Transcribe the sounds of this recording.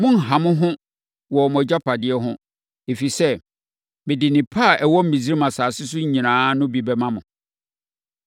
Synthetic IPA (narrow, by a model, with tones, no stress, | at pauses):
mʊ̃˦n̩˨ɦã˨mʊ̃˦ɦʊ̃˦ | wɔ˨m˨ɔ˨d͡ʑa˦pʰa˨dɪ˦ɛ˦ɦʊ̃˦ | e˨fi˨sɛ˦ | mɪ̃˨dɪ˨nɪ̃˨pʰa˦˨ʔɛ˨wɔ˦m̩˦mĩ˨zi˦ɾi˦mã˨saː˨sɪ˦s̬ʊ˦ɲ̩˦ɲĩ˨nãː˦nʊ̃˦bi˨bɛ˦mã˦mʊ̃˨